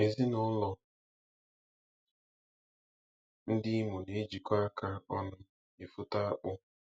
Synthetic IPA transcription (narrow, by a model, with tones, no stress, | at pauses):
e˨zi˦nʊ˦lɔ˦ | n̩˦dɪ˦i˦mu˨ne˨e˦d͡ʒi˨kʷa˦a˦ka˦ɔ˦nʊ˦ | ɪ˨fʊ˦ta˦a˦k͡pʊ˦